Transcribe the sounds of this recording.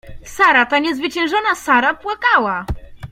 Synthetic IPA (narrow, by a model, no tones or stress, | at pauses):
saɾat̪aɲɛzvɘt͡ɕɛ̃w̃ʐɔnasaɾapwakawa